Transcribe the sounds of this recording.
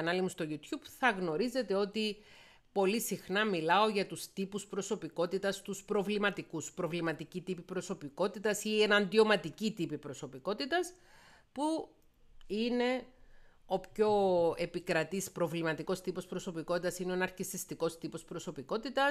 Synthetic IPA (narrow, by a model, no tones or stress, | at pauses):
ɐnɐlimust̪o̞ʝut̪çubθɐɣno̞ɾize̞t̪e̞o̞t̪i | po̞lisixnɐmilɐo̞ʝɐt̪ust̪ipuspɾo̞so̞piko̞t̪it̪ɐst̪uspɾo̞vlimɐt̪ikuspɾo̞vlimɐt̪icit̪ipipɾo̞so̞piko̞t̪it̪ɐsienɐnd̪io̞mɐt̪icit̪ipipɾo̞so̞piko̞t̪it̪ɐs | pu | ine̞ | o̞pço̞e̞pikɾɐt̪ispɾo̞vlimɐt̪iko̞st̪ipo̞spɾo̞so̞pikot̪it̪ɐsineonɐɾkist̪ist̪iko̞st̪ipo̞spɾo̞so̞piko̞t̪it̪ɐ